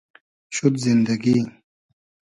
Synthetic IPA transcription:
ɕud̪zind̪ɐɡiː

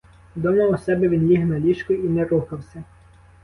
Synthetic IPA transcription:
d̪ɔmɐwɔsɛbɛʋʲinlʲiɦnɐlʲiʃkʊinɛɾuxɐwsʲɐ

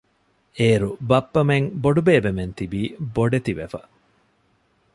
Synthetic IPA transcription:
eːɾubɐpːɐmeŋboɖubeːbement̪ibiːboɖet̪iʋefɐ

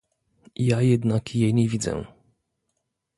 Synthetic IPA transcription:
jajɛd̪nakjeɲevʲid̪zɛ̰

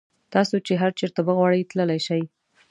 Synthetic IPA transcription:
t̪ɑsot͡ʃeɦaɾt͡ʃeɾt̪abəɣwɑɽəjt̪ləlajʃaj

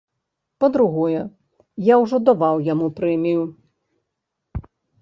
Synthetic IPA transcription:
pɐd̪ɾuɣɔjɛ | jawʐɔd̪aʋawjamupɾɛmʲiju

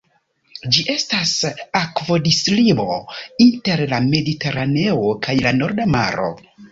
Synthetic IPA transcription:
d͡ʒiʔe̞stasakvo̞dislibo̞inte̞ɾlame̞dite̞ɾane̞okajlano̞ɾdama̰ɾo̞̰

